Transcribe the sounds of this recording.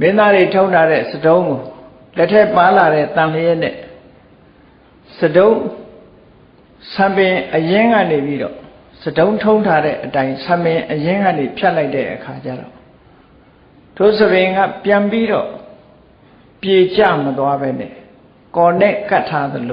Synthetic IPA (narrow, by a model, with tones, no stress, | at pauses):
mɪ̃˦nd̪a˦de˨tʰõ˦ʊ̃ntʰa˦ɾɛ̰˦˨sədõ˦ʊ̃ŋɡo˨ | lɛ˦tʰːɛ˦˨pa˦la˨ɾɛ˦˨t̪ã˨lə˨jɛ˦ʔnɛ̰˦˨ | sədõ˦ʊ̃ | sʰã˨mbɪ̃˨ʔəjɪ̃˦ŋɡa̰˦˨ne˨pi˦ɾɔ̰˦˨ | sədõ˦ʊ̃ntʰõ˦ʊ̃ntʰa˦ɾɛ̰˦˨ʔətã˦ɪ̃sʰã˨mpɪ̃˨ʔəjɪ̃˦ŋɡa̰˦˨ne˨pʰja˦ʔla˦ɪtɛ̰˦˨ʔəkʰa˨t͡ɕa̰˦˨ɾɔ̰˨ | dʰo˦˨səbɪ̃˨ŋɡa̰˦˨pjã˨mpi˦ɾɔ̰˦˨ | pje˨t͡ɕa̰˦˨mət̪wa˦bɛ˦nɛ̰˦˨ | kɔ˨nɛ̰˦˨ka˦tʰa˦d̪əlo˨